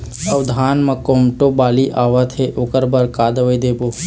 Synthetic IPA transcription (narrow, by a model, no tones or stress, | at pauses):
ɐʋd̪ʱaːnmɐkoːmʈobaːliʔaːʋat̪ʰeʔoːkəɾbɐɾkaːd̪ɐʋəjd̪eːboː